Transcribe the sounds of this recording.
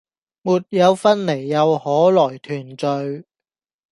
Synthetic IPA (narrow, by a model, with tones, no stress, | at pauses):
muː˨˩t̚jɐ˨˧wfɐ˥nle˨˩jːɐ˨˧whɔː˨˥lɔː˨˩jt̪ʰyː˨˩nt͡sɵ˨˧ɥ